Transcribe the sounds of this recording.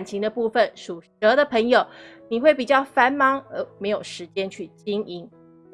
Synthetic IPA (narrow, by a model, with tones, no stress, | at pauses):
nt͡ɕʰi˧˥ŋd̪ə˧pu˥˧fə˨nʂu˨˩ʂɤ˧˥d̪ə˨pʰə˧˥ŋjo˨˩ʊni˨˩we˥˩ɪpi˨˩t͡ɕjɑ˥˩ʊfa˥nmɑ˥ŋə˧˥me˧˥ɪjo˨˩ʊʂɻ̩˧˥t͡ɕjɛ˥˦nt͡ɕʰy˥˩t͡ɕi˥ŋi˧˩ŋ